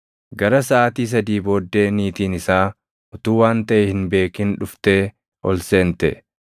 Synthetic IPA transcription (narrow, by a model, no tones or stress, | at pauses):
ɡɐɾɐsɐʔaːt̪iːs̬ɐd̪iːbo̞ːd̪ːe̞ːniːt̪iːnɪsaː | ʊt̪uːwaːnt̪ɐʔɛhɪnbe̞ːkɪnᶑʊft̪e̞ː | ʔɔlse̞ːnt̪ɛ